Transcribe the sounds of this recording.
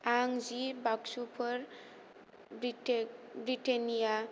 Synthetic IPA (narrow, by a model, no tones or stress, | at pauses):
aŋzibaksupʰɔɾ | bɾitenija